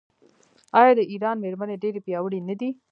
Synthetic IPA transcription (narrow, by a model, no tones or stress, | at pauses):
ɑːjɑːd̪əʔiɾɑːnmeɾməneɖeɾepjɑwəɽinəd̪i